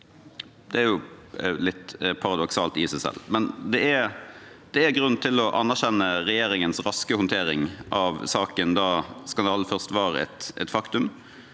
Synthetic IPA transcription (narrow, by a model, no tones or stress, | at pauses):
d̪ɛæɾjʊlɪt̪pʰɑʁɑd̪ɔksɑːlt̪ɪsæɪsɛ̰lːmɛnd̪ɛæ | d̪̥ɛæɡɾʉnt̪ʰɪlɔʔɑ̰nːæʁɕɛnːəɾɛjeːɾɪŋənsɾɑskəhɔnt̪ʰeːɾɪŋʔɑʋsɑːkənd̪ɑskɑnd̪ɑːləfœʁst̪ʋɑːɾɛ̰t̪ɛ̰t̪fɑkt̪ʉm